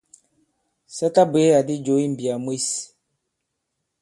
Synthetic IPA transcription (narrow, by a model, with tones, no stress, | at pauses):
sɛ˦ta˦be˨˦a˨di˦d͡ʒo˨˦i˦m˨bi˨a˨mwi˦s